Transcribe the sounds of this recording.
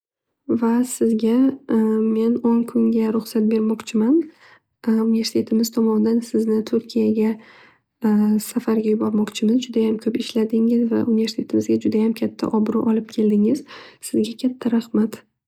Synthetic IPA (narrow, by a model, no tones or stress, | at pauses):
vasɪzɡʲa | me̞noŋkʰʊŋɡʲaɾʊχsat̪̚be̞ɾmɒqt͡ʃʰɪman | unve̞ɾsɪ̥t̪ʰe̞t̪ɪmɪz̥t̪ʰɒmɒnɪd̪ansɪznɪt̪ʰʊɾkʲʰijaɡʲa | safaɾɡʲajʊbɒɾmɒqt͡ʃʰɪmɪzd͡ʒʊd̪ajamkʲʰɵpɪʃlad̪ɪŋɪzva̰ʔunɪve̞ɾst̪ʰe̞t̪ʰɪmɪzɡʲad͡ʒʊd̪ajamkʲʰat̪ʰːa̰ʔɒbɾʊ̰ʔɒlɪp̚kʲʰe̞ld̪ɪŋɪz̥sɪzɡʲakʲʰat̪ʰːaɾahmat̪